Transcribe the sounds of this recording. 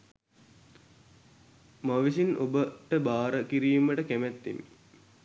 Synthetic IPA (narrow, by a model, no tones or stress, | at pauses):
maʋisinʔobəʈəbaːɾəkiɾiːməʈəkæmæt̪ːḭmi